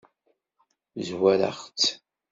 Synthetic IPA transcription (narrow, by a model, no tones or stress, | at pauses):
zwæɾa̰χt͡s